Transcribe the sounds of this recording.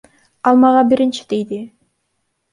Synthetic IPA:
ɑlˠmɑʁɑbiɾint͡ʃi̥d̪ejd̪i

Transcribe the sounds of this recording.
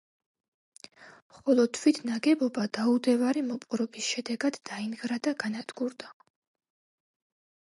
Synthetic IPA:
mχɔlˠɔd̪̚t̪ʰwit̪ʰnaɡɛbɔbad̪̥aud̪ɛvaɾimɔpʼɾɔbisʃɛd̪ɛɡad̪̥ːainɡɾad̪aɡanad̪ɡuɾd̪a

